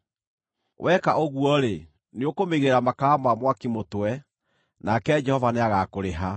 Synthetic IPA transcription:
wʔɛkaʔoɣuɔɾe | neokomeɣeɾamakamamwakimotwɛ | nakɛd͡ʒɛhɔvaneaɣakoɾeɦa

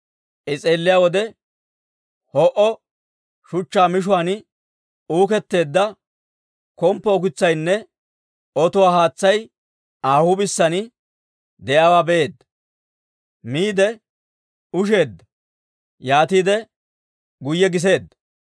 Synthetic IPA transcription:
ʔɪt͡sʼeːlːɪjaːwɔd̪ɛ | hɔʔɔ | ʃʊt͡ʃːaːmɪʃ̬ʊwan | uːkɛt̪ːe̞ːd̪ːɐ | kɔmpːɔɔk̬ɪt͡sːɐjnːɛ | ɔt̪ʊwaːɦaːt͡sːɐj | aːhʊbɪsːɐnɪ | d̪ɛʔaːwaːbɛe̞ːd̪ːɐ | miːd̪ɛ | ʊʃ̬e̞ːd̪ːɐ | jaːt̪iːd̪ɛ | ɡʊjːɛɡɪs̬e̞ːd̪ːɐ

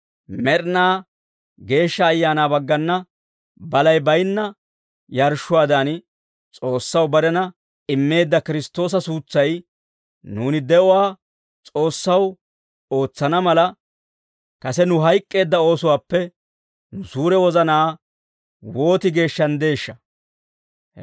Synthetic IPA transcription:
mɛɾnaː | ɡe̞ːʃːɐːjːaːnaːbɐɡːɐnːɐ | bɐlɐjbɐjnːɐ | jɐɾʃːʊwaːd̪an | t͡sʼo̞ːsːɐwbɐɾɛnɐ | ɪmːe̞ːd̪ːɐkɪɾɪst̪ːo̞ːs̬ɐsuːt͡sːɐj | nuːnɪd̪ɛʔʊwaː | t͡sʼo̞ːsːɐw | o̞ːt͡sːɐnɐmɐlɐ | kɐsɛnʊɦɐjkʼːe̞ːd̪ːɐo̞ːsʊwaːpːɛ | nʊsuːɾɛwɔzɐnaː | wo̞ːt̪ɪɡe̞ːʃːɐnd̪e̞ːʃːɐ

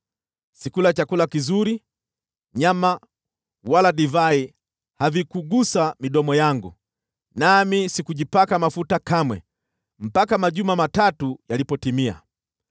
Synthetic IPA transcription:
sikulat͡ʃakulakizuɾi | ɲama | walaɗivai | havikuɡusamiɗɔmɔjaŋɡṵ | namisikuʄipakamafutakamwɛ̰ | m̩pakamaʄumamatatujalipɔtimia̰

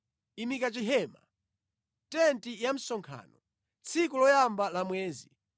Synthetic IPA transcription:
imikat͡ʃiɦɛːma̰ | tɛntijam̩sɔŋkʰa̰ːnɔ | t͡sʰikulɔjambalamwɛːzi

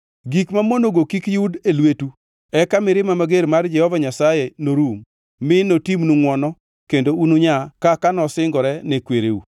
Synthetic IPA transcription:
ɡikmamonoɡokikjudelwetu | ɛkamɪɾɪmamaɡeɾmard͡ʒɛhɔvaɲasajenoɾumː | ɪnotimnuŋwɔnɔ | kendounuɲakakanɔsɪŋɡɔɾɛnɛkweɾeṵ

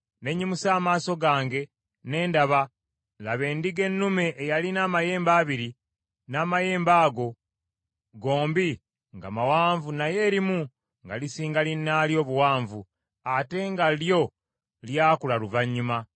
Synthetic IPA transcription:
ne̞ɲːimusaːmaːso̞ɡaːŋɡe̞ | ne̞ːndaβa | laβe̞ːndiɡe̞nːume̞ʔːjalinaːmaje̞ːmbaːβiɾi | naːmaje̞ːmbaːɡo̞ | ɡo̞ːmbi | ŋɡa̰mawaːɱvunaje̞ːɾimu | ŋɡa̰lisiːŋɡalinːaːljo̞ːβuwaːɱvu | ate̞ŋɡaljo̞ | ljaːkulaluvaɲːuma

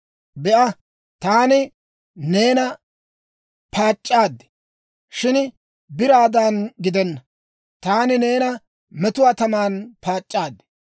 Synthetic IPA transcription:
bɛʔɐ | t̪aːnɪ | ne̞ːnɐ | pʰaːt͡ʃʼːaːd̪ːɛ̥ | ʃɪn | bɪɾaːd̪aːnɡɪd̪ɛnːɐ | t̪aːnɪne̞ːnɐ | mɛt̪ʊwaːt̪ɐmaːnpaːt͡ʃʼːaːd̪ːɛ̥

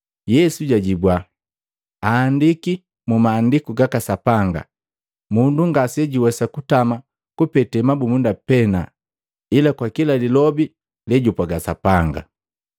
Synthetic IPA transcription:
jɛsuɟaɟibwa | aːndiki | mumaːndikuɡakasapaŋɡa̰ | munduŋɡasɛɟiwɛsakutama | kupɛtɛmabumundapɛna̰ | ilakwakilalilɔbi | lɛɟupaɡasapaŋɡa̰

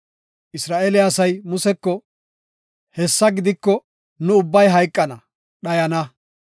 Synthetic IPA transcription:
ʔɪsɾaːʔelɪɐsɐjmʊsɛkːɔ | hɛsːɐɡɪd̪ɪkːɔ | nʊʊbːɐjɦɐjkʼːɐnɐ | ɗɐjɐnɐ

